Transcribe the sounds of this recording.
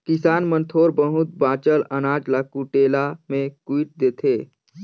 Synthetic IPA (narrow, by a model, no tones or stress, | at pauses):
kɪsaːnmə̃nt̪ʰoːɾbəɦʊt̪̚baːt͡ʃələnaːd͡ʒlakuʈeːlamẽkuiʈ̚d̪eːt̪ʰeː